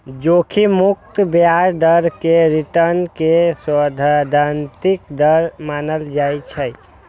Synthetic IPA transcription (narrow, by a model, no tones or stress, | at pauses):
d͡ʒokʰimuk̚t̪bjaɾɖ̪əɾkeɾiʈəɾnkeswəd̪ʱad̪ʱant̪ikd̪əɾmanəld͡ʒajt͡ʃʰɛ